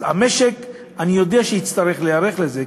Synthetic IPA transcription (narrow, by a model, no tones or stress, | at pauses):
ameʃek | anijo̞d̪eaʃeit͡st̪aɾeχlejaɾeχleze